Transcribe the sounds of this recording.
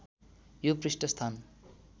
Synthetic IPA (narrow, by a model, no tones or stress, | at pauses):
joprisʈʌst̪ʰan